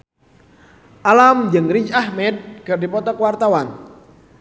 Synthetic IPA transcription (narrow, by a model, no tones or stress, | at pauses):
ʔalamd͡ʒɨŋriɲt͡ʃahmɛd̪̚kərdipɔt̪ɔkwart̪awan